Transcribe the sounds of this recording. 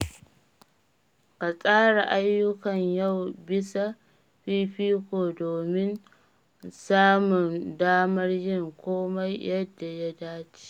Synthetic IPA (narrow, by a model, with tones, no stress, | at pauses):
ka˨sʼaː˦ɽa˨ʔa˦jːʊ˦kɐ˨ɲja˦˨wbɪ˦sa˦ | ɸiː˦ɸiː˦kʷoː˨doː˨mɪ˦n | saː˦mʊ˨ndaː˦mɐ˦rjɪ˦ŋkʷoː˦ma˦jjɐ˦dːa˨ja˦daː˦t͡ʃi̥i̥˦